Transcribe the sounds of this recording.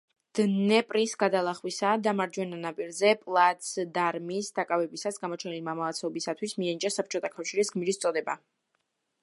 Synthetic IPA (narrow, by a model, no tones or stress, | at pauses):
d̪̥nɛpʼɾisɡad̪alˠaχwisad̪amaɾd͡ʒwɛnanapʼiɾzɛpʼlˠat̪sd̪aɾmisd̪akʼavɛbisasɡamɔt͡ʃʰɛnilimamaat̪sʰɛɔbisat̪ʰwismianit͡ʃʼasap̚ʰt͡ʃʼɔt̪ʰakʰafʃiɾisɡmiɾist̪sʼɔd̪ɛba̰